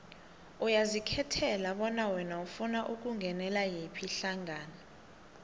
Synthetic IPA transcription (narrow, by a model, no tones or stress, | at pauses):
ujazikʰɛtʰɛlaɓɔnawɛnaufunaʔuk̬uŋɡʱɛnɛlajepʰiɬaŋaːna